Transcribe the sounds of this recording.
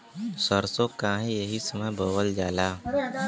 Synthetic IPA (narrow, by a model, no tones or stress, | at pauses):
səɾsõkãːɦẽjəɦisəməɦboːwəld͡ʒaːlaː